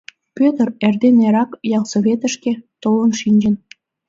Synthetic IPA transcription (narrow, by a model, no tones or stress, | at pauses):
pʲøt̪ərerd̪eneɾɑkjɑlsoβet̪ə̆ʃket̪olənʃinʲd͡ʑə̆n